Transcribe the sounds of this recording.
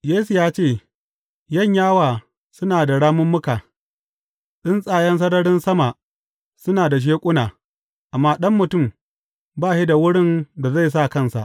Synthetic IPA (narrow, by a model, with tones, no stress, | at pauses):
jeː˦su˨jaː˦t͡ʃeː˦˨ | jɐ˦˨ɲjaː˦waː˨ | sʊ˦naː˨da˨ɽaː˦mʊ˦mːʊ˦kaː˨ | ɗɪ˦nsʼaː˨jɐ˦ns̬ɐ˦ɽɐ˦ɽɪ˦nsɐ˦ma˨ | sʊ˦naː˨da˨ʃ̬eː˦kʷʼʊ˦naː˨ | ʔa˨mːaː˦ɗɐ˦mːʊ˨tʊ˦˨m | baː˦˨ʃi˦da˨wʊ˦ɽɪ˦nda˨za˦˨s̬a˦˨kɐ˦˨nsa̰˨ʔ